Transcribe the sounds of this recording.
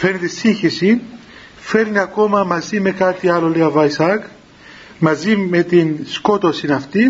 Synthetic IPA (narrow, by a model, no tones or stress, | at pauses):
feɾnit̪isiɲçisi | fe̞ɾniɐko̞mɐmɐzime̞kɐt̪iɐloleɐvɐisɐk | mɐzime̞t̪insko̞t̪osinɐft̪i